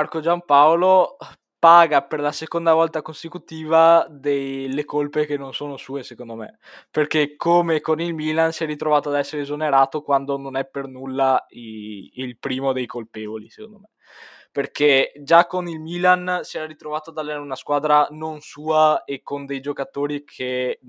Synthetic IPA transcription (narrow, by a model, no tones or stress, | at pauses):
arkod͡ʒampaolo | paːɡaperlasekond̪avɔlt̪akonsekut̪iːvad̪elːekolpekenːonsoːnosuːesekond̪omḛperkekʰːomekonilmilansiɛɾit̪ɾovaːt̪oad̪ɛsːeɾeezoneɾaːt̪okwand̪ononɛpernulːaiilpɾiːmod̪ejkolpeːvolise̥kond̪ome | perked͡ʒakːonilmiːlansiɛɾaɾit̪ɾovaːt̪oad̪alɛaɾunaskwaːd̪ɾanonsuːaekːond̪ejd͡ʒokat̪oːɾikʰe